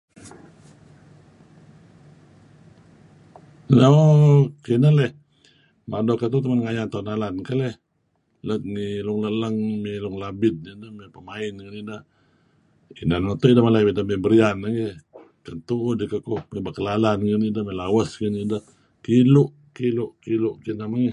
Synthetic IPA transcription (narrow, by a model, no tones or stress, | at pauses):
nokinəlɛh | madɔkənt̪ut̪əmənŋajat̪onalankəlɛh | lət̪̚ŋiluŋlələŋmiluŋlabɪt̪̚nidəhmepəmaɪnkənidə | inanat̪uidəmalaidəmebəɾianaŋi | kənt̪uʔdikəkumibaʔkəlalankənidəhmelawəskənidəh | kilʊʔ | kilʊʔkilʊʔkinəhmaŋi